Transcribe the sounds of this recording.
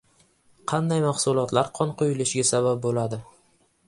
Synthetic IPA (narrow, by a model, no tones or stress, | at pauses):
qʰɑnd̪ajmɑχsʊlˠɒt̪laɾqʰɒnqojɪlɪʃɡʲasabap̚bolad̪ɪ